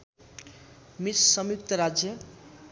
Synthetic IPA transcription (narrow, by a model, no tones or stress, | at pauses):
mit̪sʌmjuk̚t̪ʌɾad͡zjʌ